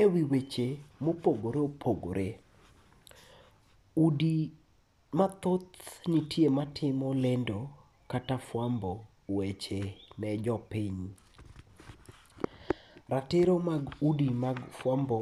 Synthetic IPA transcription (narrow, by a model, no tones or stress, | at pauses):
ewiwet͡ʃemopoɡoɾeopʰoɡo̰ɾʔe | udi | mat̪ot̪nitjematʰɪmɔlɛndɔ | katafwambɔ | wet͡ʃenɛd͡ʒɔpiɲ | ratɪɾɔmaɡudimaɡfwambɔ